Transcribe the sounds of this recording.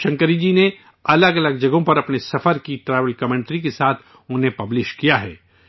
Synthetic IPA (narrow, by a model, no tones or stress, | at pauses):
ʃɐ̃ŋkəɾid͡ʒine | ɐləɡɐləɡ̚d͡ʒɐɡõpɐɾɐpnesɐfəɾkiʈɾaːʋəlkɐmẽːɳʈɾikesaːt̪ʰ | ʊ̃nɦẽpɐblɪʃkijaɦɛ̰ː